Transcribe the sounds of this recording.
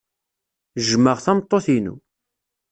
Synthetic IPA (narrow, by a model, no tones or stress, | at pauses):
ʒməʁθæmət̪ˤːoθinṵ